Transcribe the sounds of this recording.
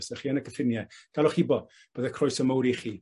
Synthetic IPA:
sɛχiːənəkʰəfɪnjɛd̥alˠɔχibɔ | b̥əːðəkʰrɔjsəmowɾiχiː

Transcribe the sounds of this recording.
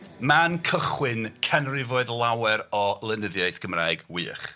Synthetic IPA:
mankʰəχwɪnkʰɛnrɪvoːɨðlˠawɛɾɔlˠənəðjajθɡ̥əmra̰ːɨɡwḭːχ

